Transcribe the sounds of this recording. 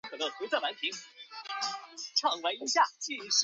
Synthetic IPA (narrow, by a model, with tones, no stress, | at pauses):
ŋkʰɤ˨˩o˥˩xu˧˥t͡sə˥˩wa˧˥np̪ʰi˧˥ŋ | ʈ͡ʂʰɑ˨˩ŋwe˧˥i˧˥ɕja˥˩t͡ɕi˥˧˩ʂ